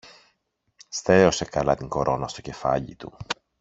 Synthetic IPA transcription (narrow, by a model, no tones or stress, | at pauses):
st̪e̞o̞se̞kɐlɐt̪iŋko̞ɾo̞nɐst̪o̞ce̞fɐ̰ʎit̪ṵ